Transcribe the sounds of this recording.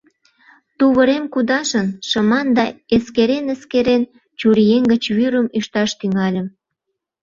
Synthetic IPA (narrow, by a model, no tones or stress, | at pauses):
t̪uβəɾemkud̪ɑʃənʃə̆mɑnd̪ɑeskeɾenə̆skeɾen | t͡ɕuɾijeŋɡət͡ɕβyɾəmyʃt̪ɑʃt̪yŋɑlʲə̆m